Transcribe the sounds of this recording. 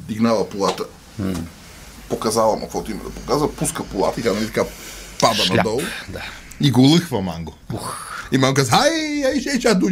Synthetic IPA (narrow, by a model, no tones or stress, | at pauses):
d̪iɡnalˠɐpolˠat̪ə | pokɐzalˠɐmʔɐ̰kvɔt̪oimɐ̰d̪ɐpo̥kazvɐpuskəpolˠa̰t̪it̪ʲanɐlʲit̪ɐkapabɐnɐd̪ɔlˠd̪a | iɡolˠəxvɐma̰ŋɡouximaŋɡkazajajʃɛʃad̪o